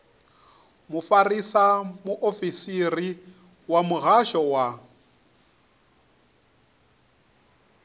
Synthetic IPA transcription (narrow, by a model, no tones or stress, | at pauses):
mʊfarisamʊʔofisiri | wamʊɣaʃɔwa